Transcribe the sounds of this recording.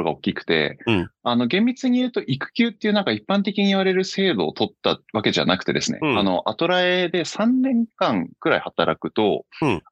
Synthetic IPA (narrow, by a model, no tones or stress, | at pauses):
ɡao̞kʲikɯ̟̥t̪e̞̰ano̞ɡẽ̞mbʲit͡sɨɲ̟ijɯ̟ːt̪o̞ʔikɯ̟̥kʲɨːt̪ːeiɯ̟nãŋkaipːãnt̪e̞kʲiɲ̟iiβaɾe̞ɾɯ̟se̞ːd̪o̞̰ːt̪o̞t̪ːaβake̞ʑa̰nakɯ̥t̪e̞d̪e̞sɨnḛano̞̰ʔat̪o̞ɾaed̪e̞sãnːẽ̞ŋkãŋkɯ̟ɾaihat̪aɾakɯ̟t̪o̞